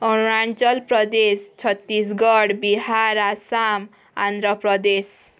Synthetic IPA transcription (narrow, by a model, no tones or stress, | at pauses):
ɔɾant͡ʃɔlpɾɔd̪est͡ʃʰʌt̪ːisɡʌɽbiɦaɾasam | and̪ɾʌpɾʌd̪es